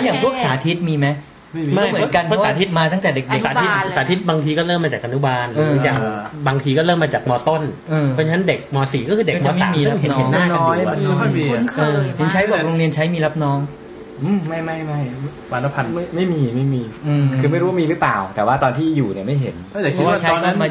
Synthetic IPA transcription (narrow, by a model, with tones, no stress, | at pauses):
jaː˨˩ŋpʰu˥˩ək̚saː˩˦t̪ʰi˦˥t̪̚miː˧ma˦˥j | ma˥˩jm˩˦˥pnka˧npʰwsaː˩˧˦t̪i˦˥t̪̚maː˧t̪a˥˩ŋt̪ɛː˨˩de˨˩k̚de˨˩ksaː˩˦i˦˥t̪̚saː˨˩˦t̪ʰi˦˥t̪̚baː˧ŋt̪ʰiː˧kɔː˥˩ɾɤː˥˩mːaː˧t͡ɕaː˨˩ʔa˧nu˦˥baː˧nɾɯː˦˧˦ja˧ŋbaː˧ŋt̪ʰiː˧kɔː˥˩ɾɤː˥˩mːaː˧t͡ɕaː˨˩k̚mɔː˧t̪o˥˩nʔɤː˧ɔ˧t͡ɕʰn˦˥nde˨˩k̚mɔː˧siː˩˦kɔː˥˩kʰɯː˧de˨˧kmɔː˧ma̰ː˨i˦˧˨ɯ˥˦ŋɦe˩hnːaː˧˥˩nka˧ɔː˦˨˦jʰa˥˩i˧o˧˩nkʰɤː˧e˩˦nt͡ɕʰa˦˥jbɔː˨˩k̚ɾoː˧ŋɾi˧ənt͡ɕʰa˦˥jmiː˧la˦˥p̚nɔː˦˥ŋ | ʔɯ˧˩ma˥˩jma˥˩jma˥˩j | waː˧na˦˥pʰa˧na˥˩jma˥˩jmiː˧ma˥˩jmiː˧ʔɯ˧kʰɯː˧ma˥˩jɾu˦a˥miː˧ɾɯ˦˥plaː˨˩wt̪ɛː˨˩waː˥˩t̪ɔː˧nt̪ʰiː˥˩juː˨˩ni˨˩ma˥˩jɦe˩˦na˥˩t̪ɛ˨˩i˦˥˧t͡ɕʰa˦ɔjːnːa˦˥maː˧